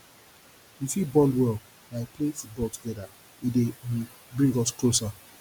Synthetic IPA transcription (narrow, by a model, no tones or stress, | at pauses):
jusibɔndwɛl | naɪpʰlefut̚bɔltuɡɛda | idewi | bɹĩŋɡɔsklosa